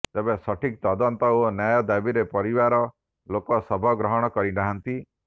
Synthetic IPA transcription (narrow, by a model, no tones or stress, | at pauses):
t̪ebesɔʈʰikt̪ɔd̪ɔnt̪ɔonjajɔd̪abiɾepɔɾibaɾɔ | lokɔsɔbʱɔɡɾɔɦɔɽ̃ɔkɔɾiɖaɦant̪i